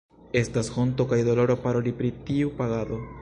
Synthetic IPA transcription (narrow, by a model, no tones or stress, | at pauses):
e̞stasho̞ntokajd̪o̞lo̞ɾopaɾo̞lipɾitiupaɡado̞